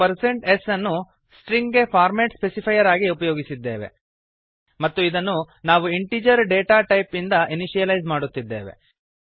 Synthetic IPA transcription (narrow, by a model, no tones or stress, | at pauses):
pɐɾseɳʈesɐnːu | sʈɾiŋɡɡepʰaːɾmeːʈspesipʰɐjɐɾaːɡiupɐjoːɡisid̪ːḛːʋḛ | mɐt̪ːuid̪ɐnːu | naːʋuiɳʈiːd͡ʒɐɾɖeːʈaːʈɐjpind̪ɐʔiniʃijɐlɐjzmaːɽut̪ːid̪ːḛːʋe̞̰